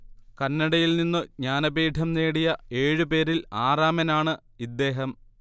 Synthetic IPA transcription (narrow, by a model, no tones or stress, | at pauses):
kɐnːɐɽɐjilninːɨɲaːnɐbiːʈʰɐmneːɽijɐe̞ːɻɨpe̞ːɾilaːraːmɐnaːɳɨ | id̪ːe̞ːɦɐm